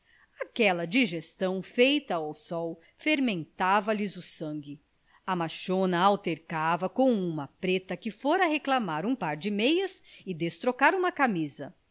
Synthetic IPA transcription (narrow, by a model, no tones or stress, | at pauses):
akɛlɐd͡ʒiʒest̪ɐ̃w̃fejt̪ɐawsɔw | feɾmẽnt̪avɐlɪzʊsɐ̃ŋɡɪ | ɐmaʃõnɐawt̪eɾkavɐkõw̃ũmɐpɾet̪ɐkɪfoɾɐɦeklamaɾũpaɾd͡ʒɪmejɐsɪd̪est̪ɾokaɾũmɐkamizɐ